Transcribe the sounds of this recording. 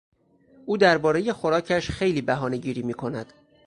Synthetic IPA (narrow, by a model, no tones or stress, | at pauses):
ʔuːd̪æɾbɒːɾe̞je̞xo̞ɾɒːcʰæʃxe̞jliːbæɦɒːne̞ɟiːɾiːmiːkʰo̞næd̪̥